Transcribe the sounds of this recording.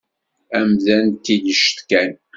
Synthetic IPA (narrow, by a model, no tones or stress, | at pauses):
æmðænt̪ːidəʃt̪kæn